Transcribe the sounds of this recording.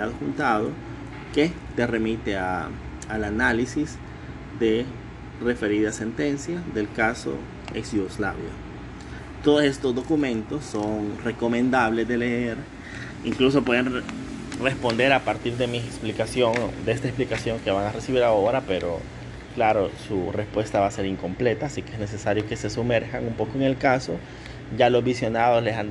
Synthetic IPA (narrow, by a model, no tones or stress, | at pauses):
aðoxunt̪aðo̰ | ke | t̪ere̞mit̪eaː | lanalisis | d̪e̞ | re̞fe̞ɾiðase̞nt̪e̞nsjaðe̞lkaso̰ | eksjuɣoslaβjo̰ | t̪o̞ðose̞st̪o̞zd̪o̞kumẽ̞nt̪o̞sːo̞ŋre̞ko̞mẽnd̪aβle̞zðe̞leeɾ | iŋkluso̞pwe̞ðenre̞spo̞nd̪e̞ɾapaɾt̪iɾðemiksplikasjoŋd̪eest̪aesplikasjo̞ŋke̞βaŋare̞siβiɾao̞ɾape̞ɾo̰ | klaɾo̞surespwe̞st̪aβase̞ɾiŋko̞mple̞t̪aːsikeezne̞se̞saɾjo̞ke̞se̞sume̞ɾxaŋumpo̞koeŋe̞lkaso̞ | ʝalo̞zβisjo̞naðo̞slesan